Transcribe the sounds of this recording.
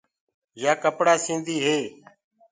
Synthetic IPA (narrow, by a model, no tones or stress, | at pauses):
jaːkəpɽaːsĩːnd̪ʱiːɦeː